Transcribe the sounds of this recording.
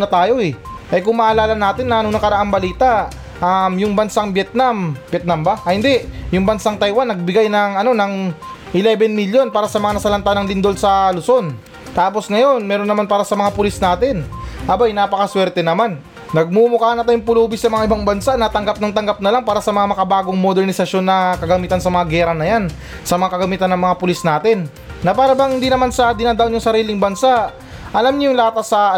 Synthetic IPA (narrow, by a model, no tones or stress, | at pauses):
nɐt̪aːjo̞ɛʔɐjkʊŋmɐʔɐlaːlɐnaːt̪ɪnːɐʔɐnonɐkɐɾɐʔaŋbɐliːt̪a | ʔamjʊŋbɐnsaŋbjɛt̪̚nambjɛt̪̚nambaʔɐhɪnd̪ɛʔjʊŋbɐnsaŋt̪ɐjwanːɐɡ̚bɪɡajnɐŋɐno̞nɐŋ | ʔɪlɛbɛnmiljo̞npaːɾɐsɐmɐŋanɐsɐlɐnt̪anɐŋlɪnd̪o̞lsɐlʊso̞n | t̪aːpo̞sŋɐjo̞nmɛɾonːɐmanpaːɾɐsɐmɐŋapʊlisnaːt̪ɪnʔɐbajnaːpɐkɐswɛɾt̪ɛnɐmanː | ɐɡ̚mumʊkaːnɐt̪ajʊŋpʊluːbɪsɐmɐŋaʔɪbaŋbɐnsanɐt̪ɐŋɡap̚nɐŋt̪ɐŋɡap̚nɐlaŋpaːɾɐsɐmɐŋamɐkɐbaːɡoŋmod̪ɛɾnɪsɐʃjo̞nːɐkɐɡɐmiːt̪ɐnsɐmɐŋaɡɛːɾɐnɐjan | sɐmɐŋakɐɡɐmiːt̪ɐnːɐŋmɐŋapʊlisnaːt̪ɪnː | ɐpaːɾɐbɐhɪnd̪inɐmansɐd̪ɪnaːd̪aʔʊnjʊŋsɐɾiːlɪŋbɐnsaʔ | ʔɐlamɲɐjʊŋlaːt̪ɐsɐ